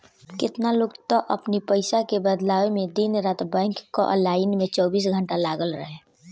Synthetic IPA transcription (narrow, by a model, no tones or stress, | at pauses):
kɪt̪naloɡt̪ɔʔə̰pnipəɪsakebəd̪laːwemẽd̪inɾaːt̪bɛ̃ːŋkːo̰ʔə̰laːɪnmẽt͡ʃɔːbiːs̬ɡʱə̃ɳʈalaːɡəlɾəɦẽ